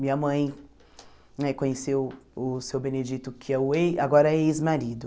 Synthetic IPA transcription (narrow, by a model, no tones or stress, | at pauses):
mĩɲɐmɐ̃j̃ | nɛkõɲesewʊsewbẽned͡ʒit̪ʊkʰɪɛʊejaɡɔɾɐejzmaɾid̪ʊ